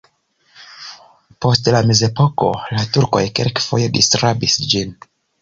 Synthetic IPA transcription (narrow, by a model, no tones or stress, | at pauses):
po̞stlame̞ze̞po̞ko̞̰latuɾko̞̰jkelkfo̞̰je̞distɾabisd͡ʒin